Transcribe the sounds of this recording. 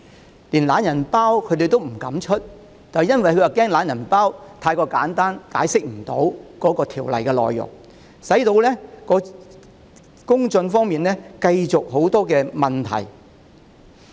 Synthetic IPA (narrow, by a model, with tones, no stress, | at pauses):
liː˨˩nlaː˨˥njɐ˨˩npaː˥wkʰɵ˨˧˥t̪e˨jt̪o˥wm̩˨˩kɐ˨˥mt͡ʃʰɵ˥t̚ | t͡saː˨˩jɐ˥nwɐ˨jkɵ˨˧jaː˨˩kɛː˥ŋlaː˨˥njɐ˨˩npaː˥wt̪ʰaː˧jkɔː˧kaː˨˥nt̪aː˥nka̰ː˨˥jsɪ˥k̚m̩˨˩t̪o̰˨˥wkɔː˨˥kɔː˧t̪ʰiː˨˩wlɐ˨jkɛː˧lɔ̰ː˨jːʊ̰˨˩ŋ | sɐ˨˥jt̪o˧wlɛ˥kɔː˨˧˥ | kʊ˥ŋt͡sɵ˧nfɔː˥ŋmiː˨nlɛː˥kɐ˧jt͡sʊ˨k̚ho˨˥wt̪ɔː˥kɛː˧mɐ˨˩nt̪ʰɐ̰˨˩j